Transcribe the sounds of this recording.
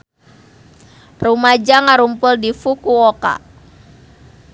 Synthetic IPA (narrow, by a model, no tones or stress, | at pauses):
rumad͡ʒaŋaɾumpʊldifukuɔka̰